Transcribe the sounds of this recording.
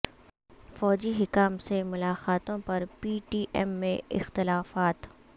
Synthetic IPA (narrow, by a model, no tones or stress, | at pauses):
fɔːd͡ʒiɦɪkaːmsemʊlaːxaːt̪õpɐɾpiːʈiːʔɛmːẽɪ̰xt̪ɪlaːfaːt̪